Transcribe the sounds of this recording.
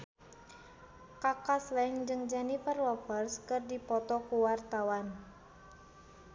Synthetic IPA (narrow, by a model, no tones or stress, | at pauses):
kakaslɛnd͡ʒɨŋd͡ʒanifərwɔpərskɨrdipɔt̪ɔkuwart̪awan